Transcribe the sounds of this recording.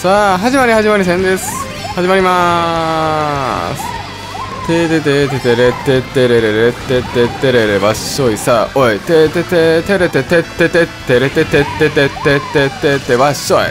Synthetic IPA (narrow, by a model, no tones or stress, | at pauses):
saɦaʑimaɾʲihaʑimaɾʲis̬ẽnd̪esɨ̥ | haʑimaɾʲima | sɨ̥ | t̪et̪et̪et̪et̪eɾet̪ːet̪ːeɾeɾeɾet̪ːet̪ːet̪ːeɾeɾebaɕoisaoet̪et̪et̪et̪eɾet̪et̪et̪ːet̪et̪ːeɾet̪et̪et̪ːet̪et̪ːet̪ːet̪ːet̪ːeβaɕoj